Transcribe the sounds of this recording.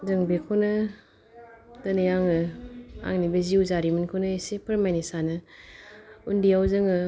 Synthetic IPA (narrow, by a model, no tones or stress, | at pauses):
zɯŋbekʰonɯ | d̥ɐnɯjaŋɯa̰ŋnibɐziuzaɾimɯnkʰonɯesepʰɯɾmajnesanɯ | undiawzɯŋɯ